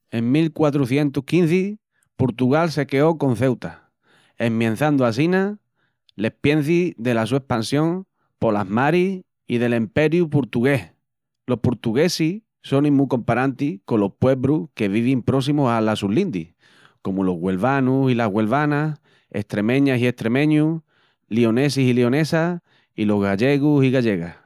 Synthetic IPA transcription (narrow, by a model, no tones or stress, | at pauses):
e̞ŋmilkwat̪ɾuθje̞nt̪uhkin̟θi | poɾt̪uɣalse̞ke̞o̞ko̞n̟θe̞wt̪a | e̞mmjãn̟θand̪oas̬ina | le̞hpje̞n̟θiðe̞las̬ue̞hpansjõ̞ŋ | po̞laɦmaɾi | ið̞e̞lempe̞ɾjupoɾt̪uɣe̞h | lo̞hpoɾt̪uɣe̞si | so̞nĩmːuko̞mpaɾant̪iko̞lo̞hpwe̞βɾuke̞β̞iβ̞impɾo̞s̬imusalasulːind̪i | ko̞mulo̞ɦɣwe̞lβanusilaɦɣwe̞lβanas | e̞̰ht̪ɾe̞mẽ̞ɲasie̞ht̪ɾe̞mẽ̞ɲu | lio̞ne̞s̬isilio̞ne̞sa | ilo̞ɦɣaʎe̞ɣusiɣaʎe̞ɣah